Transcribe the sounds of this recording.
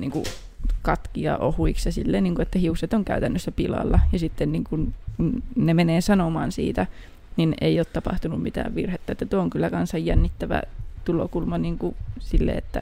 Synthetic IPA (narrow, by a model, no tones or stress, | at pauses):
nḭŋkṵ | kɑt̪kiɑ̰ʔohuiksjɑsilːeːniːŋkuet̪ːæhiuset̪oŋkæyt̪ænːøsːæpilɑ̰lːɑjɑsit̪ːenniːŋkunkunnemeneːsɑnomɑ̰ːnsḭːt̪æ | nineioːt̪t̪ɑpɑ̰ht̪unummit̪æ̰ːʋʋirhet̪ːɑet̪ːæt̪uooŋkylːækɑnsɑjjænːit̪ːæʋæ̰t̪ulo̰kulmɑniːŋkusilːḛet̪ːæ̰